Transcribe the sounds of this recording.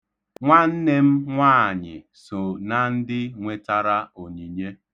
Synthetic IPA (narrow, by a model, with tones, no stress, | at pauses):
ŋʷa˦n̩˦ne˦m̩˦ŋʷaː˦˨ɲɪ̰˨ | so˨na˨n̩˦dɪ˦ŋʷe˦ta˦ɾa˦o˨ɲi˨ɲe˦